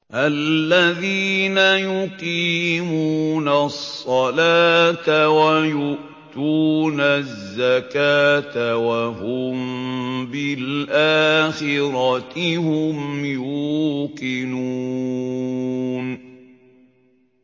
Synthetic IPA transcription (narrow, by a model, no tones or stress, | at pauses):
ʔalːaðiːnajʊqiːmuːnasˤːɑlaːt̪awajʊʔ | t̪uːnazːakaːt̪awahʊmbɪlʔaːxɪɾɑt̪ɪhʊmjuːqɪnuː | n